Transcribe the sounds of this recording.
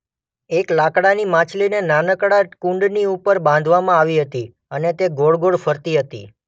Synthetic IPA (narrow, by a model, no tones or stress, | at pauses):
eklakɽanimãt͡ʃlinenanəkɽakũɳɖniupəɾbãnd̪ʱʋamãaʋiɦət̪i | ənet̪eɡoɭɡoɽfəɾt̪iɦət̪ḭ